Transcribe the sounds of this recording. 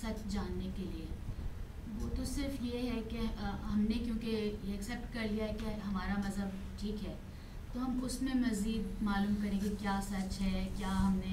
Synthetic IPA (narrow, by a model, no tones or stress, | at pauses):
sɐt͡ʃd͡ʒaːnːekelie | ʋoːt̪osɪɾfjeɦɛkeɦɐmnekjõːkejeɐksɛːp̚ʈkɐɾlijaɦɛkeɦɐmaːɾamɐzɦəb | ʈʰiːkɦɛː | t̪oɦɐmʊsmẽmɐziːd̪maːluːmkɐɾẽɡekjaːsɐt͡ʃɦɛːkjaːɦɐmnẽ